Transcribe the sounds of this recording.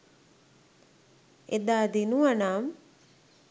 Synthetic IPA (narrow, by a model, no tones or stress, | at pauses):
ed̪aːd̪inuanaːm